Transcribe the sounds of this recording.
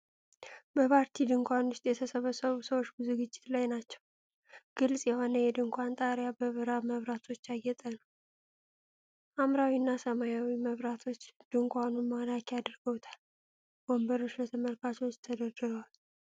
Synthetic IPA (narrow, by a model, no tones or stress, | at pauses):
bəpʰaɾt̪ʰid̪ɨŋkʷanwʊst̪ʼjɛt̪ʰəsəβəsəβusəwot͡ʃːbɨzuɡɨd͡ʒːɪt̪lajnat͡ʃːɛw | ɡ̥ɨlsʼjɛho̞nəjɛd̪ɨŋkʷant̪ʼaɾjabəβɨɾaməβɾat̪ʰo̞t͡ʃːajːɛt̪ʼənəww | ʔamɾawinːasəmajawiməβɾat̪ʰo̞t͡ʃːd̪̥ɨŋkʷʼanumalakʰijad̪ɾɡəwt̪ʰḁl | b̥ombəɾo̞t͡ʃːlət̪ʰəməlkʰat͡ʃɛwt͡ʃːt̪ʰːəd̪əd̪ɨɾəwal